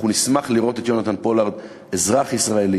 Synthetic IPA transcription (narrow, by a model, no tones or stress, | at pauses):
unismaχliʁo̞t̪e̞t̪jo̞nat̪anpo̞laʁd̪ | ezʁaχisʁae̞li